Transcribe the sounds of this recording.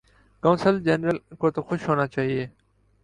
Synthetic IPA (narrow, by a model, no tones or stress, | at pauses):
kɐ̃ːnsəld͡ʒeːnɾəlkoːt̪oxʊʃɦoːnaːt͡ʃaːɦieː